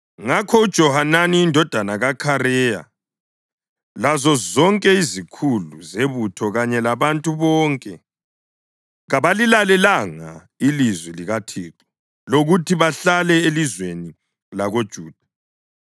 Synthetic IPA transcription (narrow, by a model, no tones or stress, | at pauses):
ŋakʰɔud̥ʒ̥ʱɔhananiːndʱɔd̥ʱanaɣakʰaɾɛja̰ | lazɔzɔŋkʼɛizikʰuluzeβutʰɔɣaɲɛlaβantʼuβɔːŋkʼɛ | ɣaβalilalɛlaŋa̰ | ilizwiliɣatʰiːǁu̥ | loɣutʰiβaɬalɛelizweni | laɣod̥ʒ̥ʱuːd̥ʱḁ